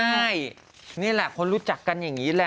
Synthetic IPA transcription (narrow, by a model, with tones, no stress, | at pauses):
a˥˩j | niː˥˩lɛ˨˩ʔkʰo˧nɾuː˦˥t͡ɕa˨˩kːa˧nja˨˩ŋŋiː˦˥lɛː˦˥